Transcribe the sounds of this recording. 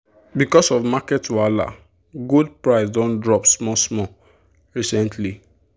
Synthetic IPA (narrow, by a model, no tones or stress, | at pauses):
bikɔsɔvmakɛtwala̰ | ɡud̚pɹaɪsdɔ̃ndɹɔpsmɔsmɔ | ɹisɛ̃ntʰli